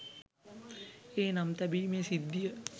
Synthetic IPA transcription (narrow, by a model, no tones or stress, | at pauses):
eːnamt̪æbiːmeːsid̪ːijə